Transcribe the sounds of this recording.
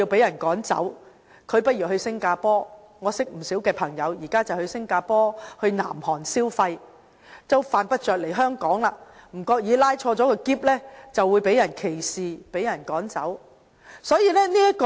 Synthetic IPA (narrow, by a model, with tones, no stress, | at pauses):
i˧wpe˨˥jɐ˨˩nkɔː˨˥ŋt͡sɐ̰˨˥w | kʰɵ˨˧ɥpɐ˥t̚jiː˨˩ɦɵ˧ɥsɪ˥ŋkaː˧pɔː˥ | ŋɔː˨˧sɪ˥k̚m̩˨˩siː˨˥wkɛː˧pʰɐ˨˩ŋjɐ˨˧wjiː˨˩kaː˥t͡sɐ˨whɵ˧ɥsɪ˥ŋkaː˧pɔː˥hɵ˧ɥna̰ː˨˩mhɔː˨˩ŋsiː˥wfɐ˧j | t͡sɐ˥˧wfaː˨npɐ˥t̚t͡ʃœː˨k̚le˨˩jɦœː˥ŋkɔː˨˥ŋlaː˧m̩˨˩kɔː˧k̚jiː˨˧laː˥jt͡ʃʰɔː˧t͡sɔː˨˥kɔ˧kiː˥p̚lɛː˥t͡sɐ˨wːu˨˧jpe˨˥jɐ˨˩nkʰe˨˩jsiː˨pe˨˥jɐ˨˩nkɔː˨˥ŋt͡sɐ̰˨˥w | sɔː˨˥jiː˧lɛː˥niː˥jɐ˥t̚kɔ˧